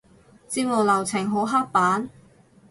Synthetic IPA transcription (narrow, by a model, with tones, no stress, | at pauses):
t͡siː˥p̚ŋɔː˨˧lɐ˨˩wt͡sʰɪ˨˩ŋɦo˨˥wɦa˥k̚paː˨˥n